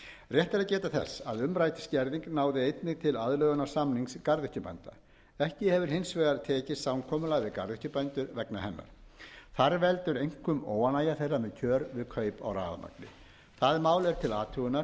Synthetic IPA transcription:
rjɛht̪alɛcɛːt̪aθɛ̰sːaðʏmɾaːjt̪ɪ̥scɛɾðiŋknaːwðɪejt̪nɪɣt̪ʰɪlaðlœːɣʏnḁsamniŋskaɾðʏhcʏpa̰nt̪a | ɛhcɪhɛvʏɾ̥hɪnsvɛːɣaɾt̪ʰɛːcɪsawnkʰɔːmʏlaɣvɪðka̰ɾðʏhcʏpant̪ʏɾvɛknahɛnːa̰ɾ̥θaɾvɛlt̪ʏɾejŋ̥kʰʏmoːwanaːjaθerːamɛðcʰœːɾvɪðkʰœːjpa̰wra̰ːða̰ma̰klɪ̰ | θaðmaːwlɛɾ̥t̪ʰɪlaːt̪ʰuʏnaɾ

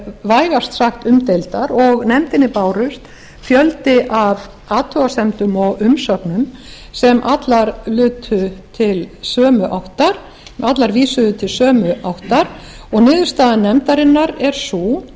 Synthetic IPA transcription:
vaːjɣast̪saxt̪ʏmt̪ejlt̪aɾɔɣnɛmt̪ɪnːɪpaːwɾʏst̪ | fjœlt̪ɪʔav | aːt̪ʰœasɛmt̪ʏmɔɣʏmsœknʏm | sɛmʔat̪laɾlʏːt̪ʰʏt̪ʰɪlsœːmʏʔawht̪aɾ̥ | mʔat̪laɾviːsʏðʏt̪ʰɪlsœːmʏʔawht̪aɾ̥ | ɔɣnɪːðʏ̥st̪aːðanɛmt̪aɾɪnːaɾɛɾ̥su

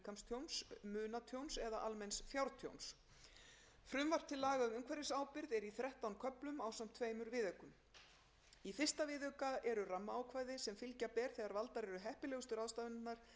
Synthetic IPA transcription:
kʰamst̪ʰjownsmʏːnat̪ʰjownsɛðaʔalmɛnsfjawɾt̪ʰjo̰wns | fɾʏmvar̥p̚t̪ʰɪlːaːɣamʏmkʰvɛɾɪsaːwpɪɾðɛɾiθɾɛht̪awnkʰœplʏmaːwsam̥t̪ʰveːjmʏɾvɪːðœkʏm | ifɪ̥st̪avɪðœkaɛɾʏramːaaːwkʰvaːjðɪsɛmfɪlcapɛːɾ̥θɛːɣaɾvalt̪aɾɛɾʏɦɛhpɪlɛɣʏst̪ʏɾaːðst̪avʏnt̪naɾ̥

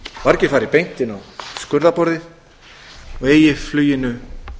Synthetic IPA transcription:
vaɾcɪfaːɾɪpejn̥t̪ɪnawskʏɾðapɔɾðɪ | ɔɣeːjɪflyːjɪnʏ

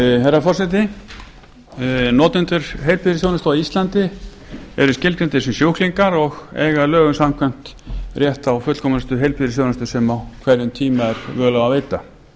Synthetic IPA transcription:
hejɾafɔrsɛt̪̬ɪ | nɔːt̪ɪnt̪ʏɾ̥ɦejlpʰiðɾɪsjoːwnast̪aist̪lant̪ɪ | ɛ̰ɾʏscɪlkɾent̪ɪsɛmsjowhkliŋkaɾɔɣɛ̰ːɣalœːɣʏnsam̥kʰvɛjm̥t̪ | rjɛht̪awfʏt̪l̥kʰɔmʏɪst̪ʏɦejlpʰiðɾɪsjownast̪ʏsɛmawkʰvɛɾʏmt̪ʰiːmaɛɾ̥vœːɣlawaveːjt̪a

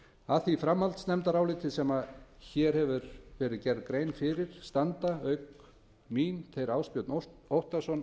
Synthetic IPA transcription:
aθifɾamhalt̪snɛmt̪aɾaːwlɪːt̪ʰɪsɛmaðçɛːɾ̥hɛvʏɾvɛːɾɪðcɛɾðkɾeːjnfɪːɾɪɾ̥st̪ant̪aœɥk | miːnt̪ʰejɾawspjœt̪nowht̪asɔn

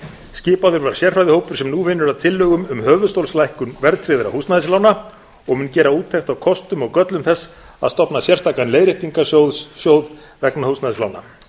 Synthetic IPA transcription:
scɪːpawðʏɾvaɾaɾ̥sjɛr̥fajðɪhoːwpʏɾ̥sɛmnuvɪnːʏɾaðt̪ʰɪlːʏɣʏmʏmɦœːvʏðst̪owlslajhkʏnvɛɾt̪ʰɾɪðɪɾa̰hust̪naðɪslaːwna | ɔɣmʏncɛːɾauːt̪ʰːejxt̪awkʰɔst̪ʏmɔɣkœt̪lʏmθɛsː | a̰ðst̪ɔpnasjɛr̥t̪aːkanleːjɾɪht̪iŋkaowðsjowð | vɛknahustnaðɪsla̰wna̰

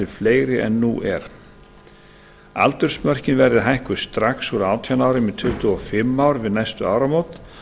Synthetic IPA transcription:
ɪlfleːjɾɪʔɛ̰nːuːʔɛɾ̥ | a̰lt̪ʏɾ̥smœr̥cɪnvɛɾðɪðɦajhkʏ̥st̪ɾaksuɾaːwt̪ʰjanaːwɾɪmɪt̪ʰʏt̪ʏɔfɪmːawɾvɪðnajst̪ʏa̰ːwɾamowt̪

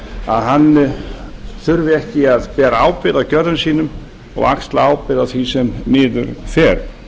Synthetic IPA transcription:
a̰ðɦanː | θʏɾvɪɛhcɪaðpɛːɾaaːwpɪðacœɾðʏnsiːnʏm | ɔ̰ɣa̰kst̪laaːwpɪðaθvisɛmːɪːðʏ̰ɾfɛːɾ

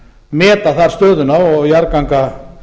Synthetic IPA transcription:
mɛːt̪aθaɾ̥st̪œːðʏnaɔɣjaɾkaŋka

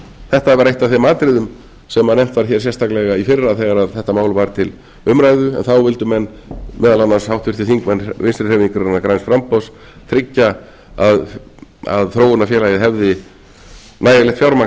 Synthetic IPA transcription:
θɛht̪avɛɾeht̪aθemaːt̪ɾɪðʏm | sɛmːanejm̥t̪vaɾ̥çɛɾ̥sjɛst̪ʰaklɛɣaifɪrːaθɛːɣaɾaðθɛht̪amaːwlvaɾ̥t̪ʰɪl | ʏmɾajðʏɛ̰nθawvɪlt̪ʏmɛnː | mʔɛːðalanːashawht̪vɪɾ̥θiθiŋkvɛnvɪnst̪ɾɪrhɛviŋkʏɾanːakɾajnsfɾampɔws | t̪ʰɾɪcːa | að | a̰ðθɾoːwʏnafjɛːlajɪðɦɛvðɪ | naːjalɛht̪fjawɾma

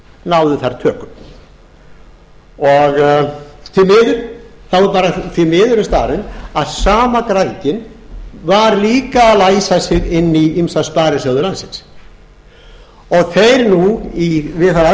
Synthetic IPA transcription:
nawðʏθaɾt̪ʰœːkʏm | ɔɣ | θʰɪmɪːðʏɾ̥θawvɪɾpaːɾaθvimɪːðʏɾɪst̪aːɾɪnaðsaːmakɾaðcɪnvaɾliːkaːðlajsasɪɣɪnːiimsaspaːɾɪsœːwðʏlansɪns | ɔɣθejɾnuivɪðθaɾa

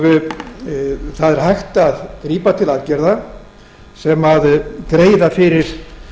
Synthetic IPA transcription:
vʏ | θaðɛɾ̥ɦajxt̪aðkɾiːpat̪ʰɪlalcɛɾða | sɛmaðkɾeːjðafɪɾɪɾ̥

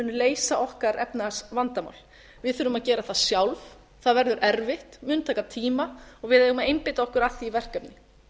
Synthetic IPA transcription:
ʏnːʏleːjsaʔɔhkaɾɛpnasvant̪ama̰wl̥ | vɪðθʏːɾʏmaðcɛːɾaθaðsjawlv | θaðvɛɾðʏɾʔɛɾvɪht̪mʏnt̪ʰajkat̪ʰiːmaɔɣvɪðejɣʏmaðejmpɪt̪aɔhkʏɾaθiːvɛr̥kɛpnɪ

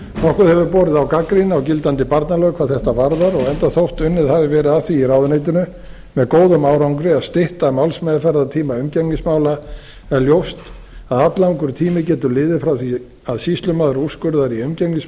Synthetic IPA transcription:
nɔhkʏɾhɛvʏɾpɔːɾɪðawkakɾinawcɪlt̪ant̪ɪpaɾt̪nalœːkʰawθɛht̪avaɾðaɾɔɣɛnt̪aθowht̪ʏnːɪðhavɪvɛːɾɪðaθiːrawðʏnejt̪ɪnʏ | mɛðkoːwðʏmaːwɾawŋkɾɪast̪ɪht̪amawlsmɛjðafɛɾðat̪ʰiːmaʏmcɛknɪsmaːwla | ɛɾljowfst̪ | aðat̪laũŋkʏɾ̥t̪ʰiːmɪcɛːt̪ʏlɪːðɪfɾawθi | aðsist̪lʏmaðɾuskʏɾðaɾiʏmcɛknɪs

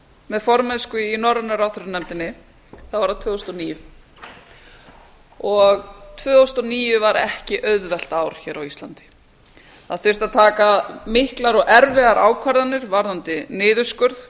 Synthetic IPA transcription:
mɛðfɔɾmɛnskʏinɔɾʏnʏɾawθʏɾʏnɛmt̪ɪnːɪ | θaðvaɾðat̪ʰvœːost̪ɔniːjʏ | ɔɣt̪ʰvœːost̪ɔniːjʏvaɾɛhcɪʔœðvɛl̥t̪aːwɾ̥çɛːɾawist̪lant̪ɪ̥ | θaðθʏr̥t̪aðt̪ʰaːkamɪhklaɾɔɣɛɾvɪðaɾʔa̰ːwkʰvaɾðanɪɾvaɾðant̪ɪnɪːðʏskʏɾð

